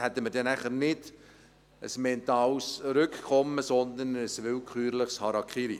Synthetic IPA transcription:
hɛt̪ːəməɾdɛnæχəɾnɪd̥ | ə̰smɛnt̪ɑːlsɾʏkkχɔmːəsɔnd̪ənəsvɪlkχyːɾlɪχshɑɾɑkχiːɾi

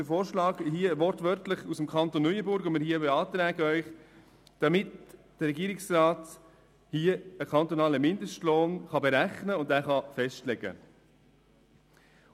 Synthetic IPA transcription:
əfoːɾʃlɑːɡhiəʋɔɾtʋœɾtləχusəmkʰɑnt̪onːœʏəbʊɾɡʊmɪɾhiːəbeɑːt̪ɾæːɡəœʏχ | d̥ɑmɪtd̥əɾɛɡiːɾɪksrɑːt | hiːəəkʰɑnt̪onɑːləmɪndəsʃtloːnχɑbeɾæχnəʊndæːχɑfɛʃtlɛɡ̥ə̰

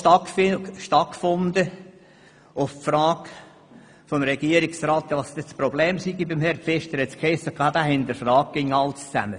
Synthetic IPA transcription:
ɑkʃtɑkkfʊnd̪ə | ʊfpfɾɑːɡ | fɔmɾɛɡ̥iəɾiksɾɑːt̪ʋɑst̪ɛt͡sprɔblɛːmsiɡibɪmhɛɾpfɛʃtəɾɛt͡skʰɛsəkʰɑːd̥̪æːhɪnd̪əɾfrɑːk̚ɡ̥ɪŋːɑlst͡sæ̰mə

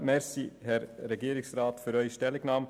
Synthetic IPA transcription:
mɛɾsihɛɾɾeɡiːɾɪksɾɑːt̪fyːɾœʏçʃtɛlɪɡnɑːm

